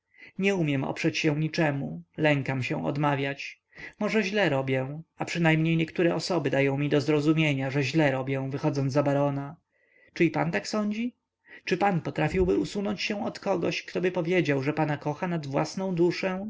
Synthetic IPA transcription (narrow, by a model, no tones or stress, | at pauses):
ɲɛumʲjɛmɔ̰pʂɛt͡ɕɕɛ̃ɲit͡ʂɛmulɛŋkamɕɛ̰̃w̃ʔɔ̰d̪mavʲjat͡ɕ | mɔʐɛʑlɛɾɔbʲjɛ̃apʂɘnajmɲejɲɛkt̪uɾɛɔsɔbɘd̪ajɔ̃w̃mʲid̪ɔzɾɔzumʲjeɲaʐɛʑlɛɾɔbʲjɛw̃vɘxɔd̪zɔnabaɾɔna | t͡ʂɘipa̰nt̪aksɔɲd͡ʑi | t͡ʂɘpanpɔt̪ɾafʲiwbɘusunɔɲt͡ɕɕɛw̃ɔt̪kɔɡɔɕkt̪ɔbɘpɔvʲjed͡ʑawʐɛpanakɔxanad̪vwa̰snɔ̃w̃d̪uʂɛ